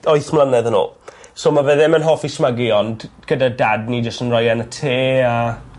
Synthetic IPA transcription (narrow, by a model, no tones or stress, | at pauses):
ɔɨθmlˠanɛðəno̰ːsoːmaveðɪmənɦɔfismaɡɪɔndɡ̥ədadadnid͡ʒəstənrɔjɛnətʰeːa